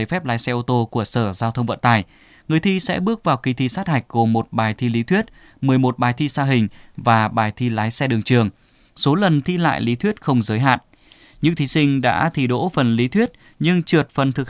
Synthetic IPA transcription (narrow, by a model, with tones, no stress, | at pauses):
ə˨˧˩jfɛ˦˥p̚laː˨˦jsɛ˧ʔo˧t̪o˧ku˧˩əsəː˧˩zaː˧wt̪ʰə˧wŋ͡mvə̰˧˨nt̪aː˨˩j | ŋɨ˨˩əjt̪ʰi˧sɛ̰˧˥ɓɨ˦˥ək̚vaː˨˩wki˧t̪ʰi˧saː˦˥t̚ha˨˩jk̟̚ɣo˨˩mo˨˩t̚ɓaː˨˩jt̪ʰi˧li˨˦t̪ʰwi˦˥t̚ | mɨ˨˩əjmo˨˩t̚ɓaː˨˩jt̪ʰi˧saː˧ɦï˨˩ŋ̟vaː˨˩ɓaː˨˩jt̪ʰi˧laː˨˦jsɛ˧ɗɨ˨˩əŋt͡ɕɨ˨˩əŋ | so˨˦lə˨˩nt̪ʰi˧la̰ː˧˨jli˨˦t̪ʰwi˦˥ət̚xə˧wŋ͡mzəː˨˦jɦa̰ː˧˨n | ɲɨ̰˧˥ŋt̪ʰi˨˦sï˧ŋ̟ɗa̰ː˧˥t̪ʰi˧˩ɗo̰˧˥fə˨˩nli˨˦t̪ʰwi˦˥ət̚ | ɲɨ˧ŋt͡ɕɨ˨˩ət̚fə˨˩nt̪ʰɨ˨˩k̚